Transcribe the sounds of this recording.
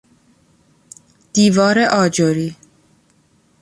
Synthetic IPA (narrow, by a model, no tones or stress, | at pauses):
d̪̥iːvɒːɾeʔɒːd͡ʒoɾiː